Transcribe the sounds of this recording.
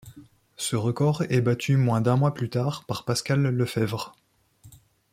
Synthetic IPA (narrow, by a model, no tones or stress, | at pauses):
səʁəkɔʁɛbat̪ʰymwɛ̃d̪ɛ̃mwaplyt̪aʁpaʁpaskalːəfɛvʁ